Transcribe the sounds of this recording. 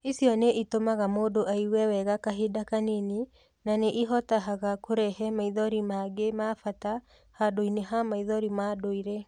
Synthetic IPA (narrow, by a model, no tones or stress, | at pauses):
isjɔneʔitomaɣamoːdoʔaiwɛwɛɣakaɦedakanini | naneʔiɦɔtaɦaɣakoɾɛɦɛmaiðɔɾimaɡemafata | hadoineɦamaiðɔɾimadoiɾe